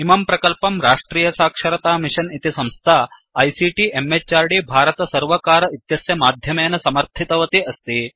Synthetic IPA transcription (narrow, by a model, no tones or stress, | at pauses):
imɐmpɾɐkɐlpɐmɾaːʂʈɾiːjɐsaːkʂɐɾɐt̪aːmiʂɐnit̪isɐmst̪ʰaː | ɐjsiʈiʔemːet͡ʃːaːɾɖibʱaːɾɐt̪ɐsɐɾʋɐkaːɾɐit̪jɐsjɐmaːd̪ʱjɐmeːnɐsɐmɐɾt̪ʰit̪ɐʋɐt̪iɐst̪i